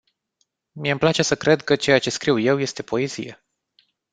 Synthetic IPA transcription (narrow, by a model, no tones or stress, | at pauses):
mieɨmplat͡ʃe̞səkɾe̞d̪kət͡ʃe̞jat͡ʃe̞skɾiwje̞wje̞st̪e̞pʰo̞e̞zḭjḛ